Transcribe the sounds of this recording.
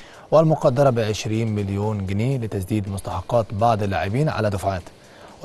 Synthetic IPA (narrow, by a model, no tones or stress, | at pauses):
walmʊqɑd̪ːɑɾˤɑbɪʕɪʃɾiːnmɪljuːnɡɪneːlɪt̪asd̪iːd̪mʊst̪ɑħɑqːɑːt̪bɑʕd̪ˤɪlːa̰ːʕɪbiːnʕa̰lad̪ʊfʕaːt̪